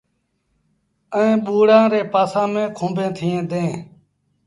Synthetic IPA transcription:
əẽːɓuːɽãːɾeːpaːsãːmẽːkʰõːbẽːt̪ʰiːẽːd̪ẽː

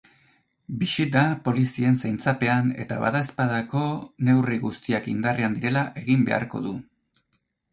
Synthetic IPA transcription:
bisit̪apo̞lisie̞nsajnt͡sape̞ane̞̰t̪a̰βa̰ðae̞spaðako̞ne̞wriɣust̪iakḭnd̪ariand̪iɾe̞laʔe̞ɣimbe̞̰a̰ɾko̞̰ðu

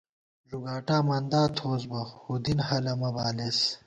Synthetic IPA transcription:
ʐuɡaːʈaːmand̪aːt̪ʰoːzbɐhud̪inhɐlɐmɐbaːles

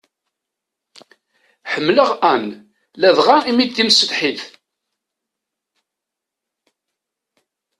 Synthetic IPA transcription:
ħəmːləʁæn | læðʁaimid̪t̪ːimsəd̪ħiθ

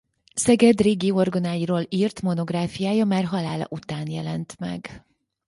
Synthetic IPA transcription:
sɛɡɛd̪reːɡio̞rɡonaːjiɾoːliːrt̪mo̞no̞ɡraːfijaːjɒmaːrɦɒlaːlɒ̰ʔut̪aːnjɛlɛnt̪mɛ̰ɡ

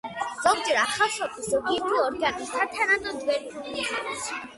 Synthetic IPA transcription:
z̥ɔɡ̚d͡ʒɛɾaχalˠsɔpʰisɔɡit̪ʰuɔɾɡanit̪ʰat̪ʰanad̪ɔd̪wɛɾbʰuisais

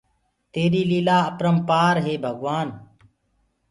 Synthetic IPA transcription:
t̪eːɾiːliːlaːəpɾəmpaːɾɦeːbʱəɡʋaːn

